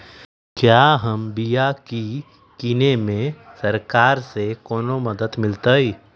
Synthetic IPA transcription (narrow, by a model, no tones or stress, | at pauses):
kjaːɦəmbijaki | kinemẽsɐɾkaːɾsekɔːnomɐd̪əd̪mɪlt̪əi